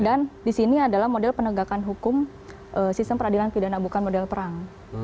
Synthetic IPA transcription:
dandisiniadalahmodɛlpənəɡakanɦukʊm | ʔəsist̪əmpəɾadilanpidanabukanmodɛlpəɾaŋ

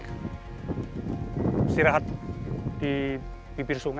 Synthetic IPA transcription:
siɾaɦat̪̚d̪̥i | b̥ibirsuŋ

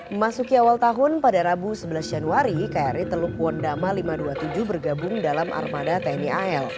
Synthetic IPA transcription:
masukiawalt̪aɦʊnpadaɾabusəbəlasd͡ʒanuaɾikajaɾit̪əlukuɔndamalimaduat̪ud͡ʒubərɡabʊŋdalamʔa̰rmadat̪aniaɛl

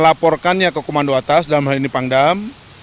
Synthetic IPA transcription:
lapɔrkanjakəkomandoat̪asdalamɦalinipaŋdam

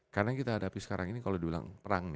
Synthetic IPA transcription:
karnaŋkit̪aːdapisə̥kaɾaŋinikalodibila̰ŋpəɾaŋnɪ

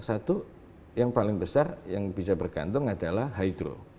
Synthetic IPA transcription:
sat̪u | jaŋpalɪŋbəsarjaŋbis̬abərɡa̰nt̪ʊŋadalahɦaid̪ɾo̰

